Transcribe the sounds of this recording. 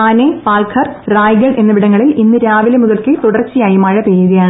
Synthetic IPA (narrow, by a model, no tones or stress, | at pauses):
aːnepaːlkʰɐrraːjɣɐɭʔe̞nːɐʋiɽɐŋːɐɭilinːɨɾaːʋilemuðɐlkɨt̪uɽɐrt͡ɕːijaːjumaːɻɐpeːðɐjaːɳɨ